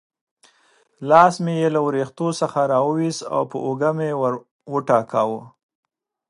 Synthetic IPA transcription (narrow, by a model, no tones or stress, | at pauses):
lɑsmejelawɾext̪osəxaɾɑwəwiza̰wpə̰ʔoɡamewaɾ | wəʈɑkawə